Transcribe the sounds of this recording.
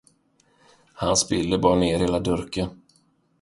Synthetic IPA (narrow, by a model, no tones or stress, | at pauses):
hansbɪlːəbɑːɾneːɾheːlad̪ɵɾkən